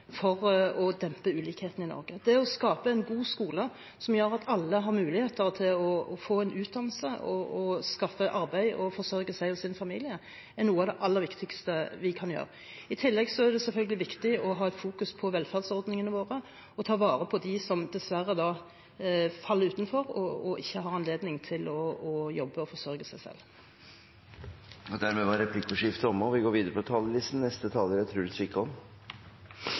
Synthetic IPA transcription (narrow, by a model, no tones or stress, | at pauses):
fɔɾɔd̪ɛmpəʉːliːkheːt̪ən̩ɪnɔ̰ɾɡəd̪ɛɔskɑːpəɛɪnɡuːskuːlə | sɔmjøːɾɑt̪ʰɑlːəɦɑɾmʉːlɪheːt̪əɾt̪ʰɪlɔɔfoːæɪnʔʉːt̪̚d̪ɑnːl̩səɔɔskɑfːəʔɑɾbæɪɔfɔʁsœɾɡəsæɪɔsɪnfɑmḭːlɪə | ɛnuːəɑd̪ɛʔɑlːəɾʋɪkt̪ɪkst̪əʋɪkʰɑnjø̰ːɾə | ɪt̪ʰɪlːɛɡsɔæd̪ɛsɛlfœlɡəlɪʋɪkt̪ɪɔɦɑːæɪt̪fuːkʉspʰɔʋɛlfæʁd̪sɔɾd̪nɪŋənəʋoːʁə | ɔt̪ʰɑːʋɑːɾəpʰɔd̪ɪsɔmd̪ɛsʋærːəd̪ɑː | fɑlːəɾʉːt̪n̩fɔɾɔɔʔɪçːəɦɑɑnleːd̪nɪŋt̪ʰɪlɔːjɔbːəɔfɔʂœɾɡəsæɪsɛ̰lː | ɔd̪æɾmɛʋɑɾɛpʰlɪkːʊʂɪft̪əɔmɔʋɪɡoːɾʋiːd̪əɾəpʰɔt̪ʰɑːlːəlɪst̪n̩nɛst̪ət̪ʰɑːləɾæt̪ʰɾʉːlɪsʋɪkːəɔm